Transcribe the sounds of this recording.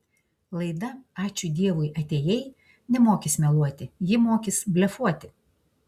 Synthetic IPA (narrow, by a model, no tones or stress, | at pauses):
lˠɐɪd̪ɐɑːt͡ʃʲʊd̪ʲiɛʋʊɪʔɐt̪ʲeːjɛɪ | nʲɛmoːkʲɪsmʲɛlˠuɔt̪ʲɪjɪmoːkʲɪsbʲlʲɛfuɔt̪ʲɪ